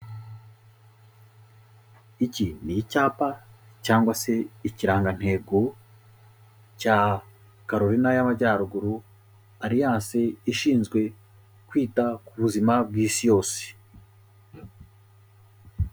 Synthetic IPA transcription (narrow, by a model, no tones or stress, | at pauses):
icinijicaːpa | caːŋɡwase̞iciɾaːŋɡan̥he̞ɡo̞ | caː | kaɾoɾinajamaɟaːɾuɡuɾu | aɾijaːse̞iʃiːnzɡwe̞ | kwiːtakuβuzimab̚ɡiːsijo̞ːse̥